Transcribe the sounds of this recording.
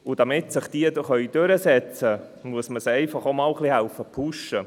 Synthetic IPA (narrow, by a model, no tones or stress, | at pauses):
ʊd̥ɑmɪtsɪχd̥̪iədəχœʏd̥øɾəsɛt͡sə | muəsməsɛɪfɑχomɑːlχlihælfəpʰuʃə